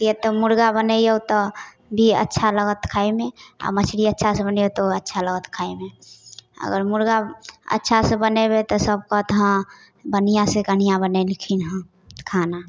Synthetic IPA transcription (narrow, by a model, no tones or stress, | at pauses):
t̪iet̪omʊɾɡabənəjot̪ɔ | bʱiə̰tːʃʰaləɡət̪kʰaimẽa̰mət͡ʃʰɽiətːʃʰasẽbənjot̪oətːʃʰaləɡət̪kʰaimẽ | ə̰ɡəɾmʊɾɡaə̰tːʃʰasebənebet̪ɔsəbkot̪ɦã | bənijãsekən̤ijãbənelikʰinɦə̃ | kʰana